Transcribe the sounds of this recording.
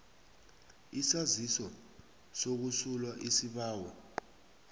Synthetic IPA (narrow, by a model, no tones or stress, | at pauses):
isazisɔ | sok̬usulwaʔisiɓaːwɔ